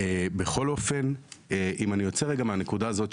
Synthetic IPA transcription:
ebe̞χo̞lo̞fe̞neʔimanijo̞t͡seʁeɡameane̞kudaːzo̞t

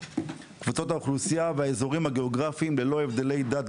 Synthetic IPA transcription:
kvut͡so̞t̪auχlusijaveaezo̞ʁimhaɡe̞oɡʁafimlelo̞e̞vd̪e̞le̞jd̪at̪̚

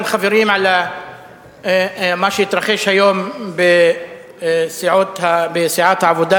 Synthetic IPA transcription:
mxafɪɾiːmʕala | maʃjɪt̪ɾˤɑxiːʃhajoːmbɪ | sɪʕat̪habɪsɪʕaːt̪hʕabʊd̪a

